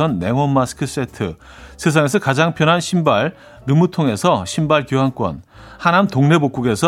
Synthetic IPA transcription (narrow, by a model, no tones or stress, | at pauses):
ʌnːe̞ŋwʌːasɯ̥kʰɯs͈e̞tʰɯ | sʰe̞s̬ʰaŋe̞sʰʌkad͡ʑaŋpʰjʌnɦanɕʰimbaɾ | ɾɯmutʰoŋe̞sʰʌɕʰimbaɭkjuɦaŋk͈wʌ̰n | hanamtoŋne̞bok͈uɡe̞sʰʌ